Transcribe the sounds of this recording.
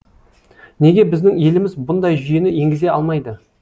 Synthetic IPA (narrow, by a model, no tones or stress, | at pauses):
ne̞ɡʲe̞bɪzd̪ɪŋe̞lɪmɪzbʊnd̪ɑjʒʏjenɪje̞ŋɡʲɪze̞ɑlˠmɑjd̪ə